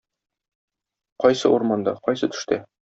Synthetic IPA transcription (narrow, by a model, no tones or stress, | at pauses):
qɒjsɤ̰uɾmɑnd̪ɑqɒjsɤt̪ɵ̥̆ʃt̪æ